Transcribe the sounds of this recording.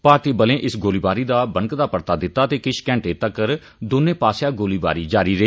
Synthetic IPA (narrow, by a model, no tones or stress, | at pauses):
paːɾt̪iːbəlẽːʔɪsɡoːliːbaːɾiːd̪aːbəŋkd̪aːpəɾt̪aːd̪ɪt̪ːaːt̪eːkɪt͡ʃkɛ̃ːɳʈeːt̪əkəɾ | d̪oːnẽːpaːsjaːɡoːliːba̰ːɾiːd͡ʒaːɾiːɾəɦeː